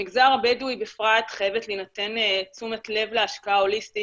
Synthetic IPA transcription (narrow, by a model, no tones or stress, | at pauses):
iɡzaʁbedujbefʁatχajevetlenate̞net͡sumetle̞vleaʃkaao̞listi